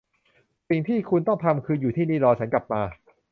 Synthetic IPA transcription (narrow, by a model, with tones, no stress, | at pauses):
si˨˩ŋt̪ʰiː˥˩kʰu˧nt̪ɔ˥˩ŋt̪ʰa˧mkʰɯː˧juː˨˩t̪ʰiː˥˩niː˥˩ɾɔː˧t͡ɕʰa˦˥nkla˨˩p̚maː˧